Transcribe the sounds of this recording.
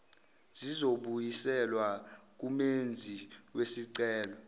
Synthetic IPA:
zizoɓujisɛlwa | k̬umend͡zʱiwesiǀɛːlɔ

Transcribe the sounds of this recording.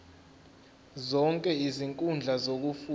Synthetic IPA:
zɔŋkʼɛiziŋkʼund͡ɮʱazok̬ufu

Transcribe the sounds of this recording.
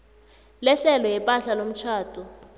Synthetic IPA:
lɛɬɛlɔjɛpʼaɬalom̩t͡ʃʰaːtʰʼu

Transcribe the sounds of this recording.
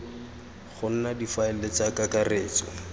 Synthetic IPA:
χʊn̩nadifaɪlet͡sakakareːt͡sɔ̰

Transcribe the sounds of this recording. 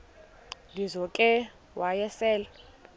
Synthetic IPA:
lizɔkʼɛ | wajɛsɛːla

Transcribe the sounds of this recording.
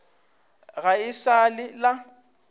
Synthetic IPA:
ɣaɪsalɪla

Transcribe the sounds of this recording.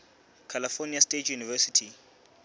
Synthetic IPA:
kʰalifɔniastʼetʰjunivɛsitʰi

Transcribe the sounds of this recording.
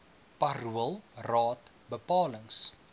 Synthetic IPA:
pɐɾuəlˠrɑːt | bəpɑːləŋs

